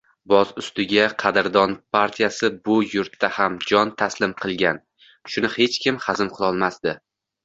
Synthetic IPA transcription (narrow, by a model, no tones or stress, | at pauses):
bɒzʊst̪ɪɡʲaqʰɑd̪ɪɾd̪ɒnpʰaɾt̪ʰijasɪbʊjʊɾt̪ʰːahamd͡ʒɒnt̪ʰaslɪmqʰɨlˠɡʲan | ʃʊnɪhe̞t͡ʃkʲɪmhazɪmqʰɨlˠɒlˠmasd̪̥ɪ